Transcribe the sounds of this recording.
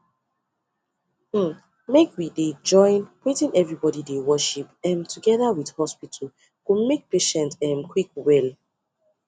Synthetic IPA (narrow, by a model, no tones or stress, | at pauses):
m̩ | mekwided͡ʒɔ̃ɪ̃npitĩnʔɛvɹibɔdidewɜʃipɛ̃mtʰuɡɛðawidhɔspitʰəl | komek̚peʃɛ̃ntɛ̃mkʰwikwɛl